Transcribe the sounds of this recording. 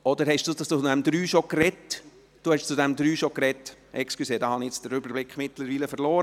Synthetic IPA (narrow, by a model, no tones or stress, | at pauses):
ɔd̥̪əɾhɛʃd̥ut͡sudɛmd̪ɾyːʃokrɛt | d̥uhɛʃt͡sud̪ɛmd̪ɾyːʃokrɛtːʔɛksklyseːd̥ɑhɑniɛt͡sd̥əɾʏbəɾblɪkχmɪtləɾviːləfəɾlɔːɾə